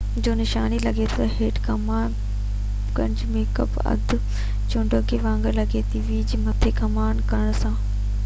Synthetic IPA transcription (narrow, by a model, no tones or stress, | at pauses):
d͡ʑoːnɪʃaːnilɐɡet̪ʰɐɦeːʈkɐmaːn | kɐ̃ɲd͡ʑmẽːkɐ̰pɐ̰d̪ʱ | t͡ɕʊ̃ɳɖəkʰeʋãːŋɡəlɐɡet̪iʋid͡ʑiːmɐt̪ʰekɐmaːnkɐɽ̃sãː